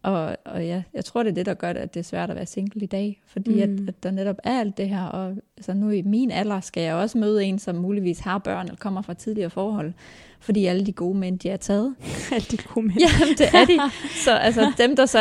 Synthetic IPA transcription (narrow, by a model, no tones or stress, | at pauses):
ʔɒ̽ɒ̽jæjɑ̈ɪt͡sʰʁo̝ɐ̰ɾ̥e̝ɐd̥e̝ɾ̥ɑ̈ɡ̥ɶɐdɾeæ̥e̝æɐsʋæɐ̰ɾ̥ɒʋæ̰ːɐse̝ŋ̰ɡ̥l̩id̥ɛ̰ːfɒ̽d̥ḭːæd̥æd̥ɑ̈neɾ̥ɒ̽b̥æɐɐæl̰d̥̚ːe̝ɦæɐ̰ɒ̽ælsɐnuimiːnælɑsɡ̥æjɑ̈ɪɒ̽səmøːð̞̩ˠe̝ːnsɒ̽mːuːliʋḭːshɑ̈b̥ɶɐ̰nelkʰɒ̽m̰ɐfʁɑ̈t͡sʰið̞ˠliɐːfɒːhɒ̽l̰ | fɒ̽d̥ḭːæləd̥iɡ̥o̝ːmen̰d̥iæɐt͡sʰɛːð̞̩ˠl̥iɡ̥omjæd̥e̝æɐd̥isɒ̽ʔæls̬əd̥emd̥ɑ̈sɒ